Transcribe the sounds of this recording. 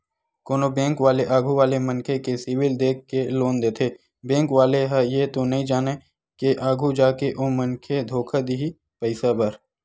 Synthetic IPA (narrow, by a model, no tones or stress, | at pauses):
koːnobẽːŋkʋaːleʔaːɡʱuʋaːlemənkʰekesɪwɪld̪eːkːeloːnd̪eːt̪ʰeː | bɛ̃ːŋkʋaːleɦajet̪onɐɦĩd͡ʒaːne | keʔaːɡʱud͡ʒaːkeʔoːmənkʰed̪ʱoːkʰad̪iɦi | pəɪsabəɾ